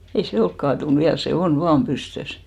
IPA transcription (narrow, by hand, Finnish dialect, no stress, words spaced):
ei se olk kɑːtun ʋiæl se on ʋɑːm pystøs